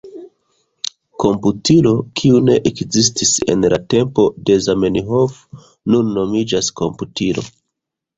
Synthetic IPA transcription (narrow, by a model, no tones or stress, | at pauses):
ko̞mputilo̞kʰiune̞ʔekzis̬tise̞̰nlate̞mpo̞de̞zameniɦof | nunːo̞mid͡ʒasko̞̰mputilo̞̰